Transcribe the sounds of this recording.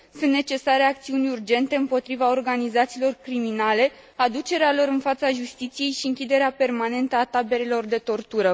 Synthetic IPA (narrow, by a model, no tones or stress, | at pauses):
sunt̪net͡ʃe̞saɾe̞akt̪siunʲurd͡ʒe̞nt̪e̞ɨmpo̞t̪ɾivao̞rɡanizat̪siːlo̞rkɾiminale̞ | ad̪ut͡ʃe̞ɾealo̞ɾɨnfat̪saʒust̪it̪sije̞jʃiɨŋkʲid̪e̞ɾeape̞rmane̞nt̪əat̪abe̞ɾelo̞rd̪e̞t̪o̞rt̪uɾə